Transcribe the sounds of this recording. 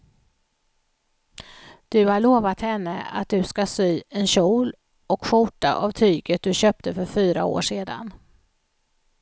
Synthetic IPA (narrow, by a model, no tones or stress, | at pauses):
d̪̥ɵhaɭoːvat̪hɛnːə̰a̰t̪̚d̪ɵskasyːɛnɕuːl | ɔkɧʊʈːa̰ʔavt̪ʰyːɡət̪̚d̪ɵɕøːp̚t̪əfœɾfyːɾao̰ːʂeːd̪a̰n